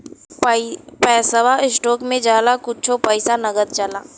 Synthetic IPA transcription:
pɛːsəʋaɪsʈɔːkmẽd͡ʒaːlakʊtt͡ʃʰopəɪsanɐɡət̪̚d͡ʒalaː

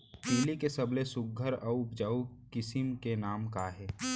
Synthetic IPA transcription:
t̪ɪːlikesəblesʊɡ̚ʱəɾaːʊpd͡ʒaːukɪsɪmkenaːmkaɦɛː

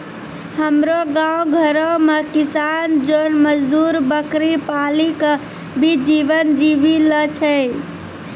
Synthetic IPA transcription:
həmɾoɡãũɡʱəɾomekisand͡ʒonməd͡ʒd̪uɾbəkɾipalik | bʱid͡ʒiʋənd͡ʒiʋilət͡ʃʰə

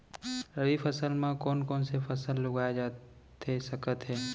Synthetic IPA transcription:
ɾəɾifəsəlmãkɔːnkɔːnsefʰɐsəlːʊɡaːjed͡ʒaː | t̪esɐkət̪ɦɛː

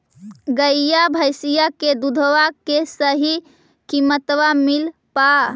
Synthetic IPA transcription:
ɡəjjabʱəjsijaked̪ud̪ʱʋakesəɦi | kimət̪ʋamilpa

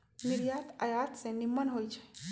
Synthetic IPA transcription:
nɪɾjaːt̪a̰jat̪senɪmːənɦoit͡ʃʰe̥

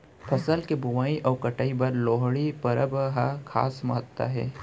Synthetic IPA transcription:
pʰɐsəlkebʊʋaːiʔɔːɾkɐʈaːibɐɾloːɦɽipɐɾəbɦakʰa̰ːsmɐɦət̪ːa̰ɦɛ̰ː

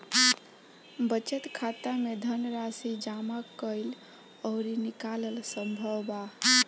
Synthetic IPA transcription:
bət͡ʃət̪kʰat̪amed̪ʱənɾasid͡ʒamakəɪl | ɔʊɾinikaləlsəmbʱəwba

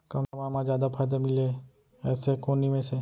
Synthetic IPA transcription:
kɐmamaːmãd͡ʒjaːd̪apʰaːjd̪amɪle | ɛːsekoːnimẽse

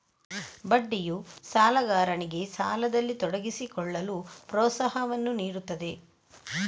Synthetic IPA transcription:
bɐɖːijusaːlɐɡaːɾɐɳiɡe̞saːlɐd̪ɐlːit̪ɔɽɐɡisikɔɭːɐlupɾɔːt̪sɐɦɐʋɐnːuniːɾut̪ːɐd̪e̞

